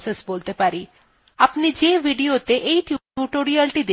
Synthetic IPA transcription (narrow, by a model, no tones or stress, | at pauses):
sesboːlt̪epaɾi | apnid͡ʒeʋiɖijot̪eʔeit̪ʰiuʈoɾiəlʈid̪e